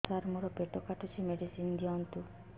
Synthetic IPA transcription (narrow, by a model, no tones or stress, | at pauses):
saɾmuɾɔpeʈɔkaʈʰɔt͡ʃʰimeɖisind̪iɔnt̪u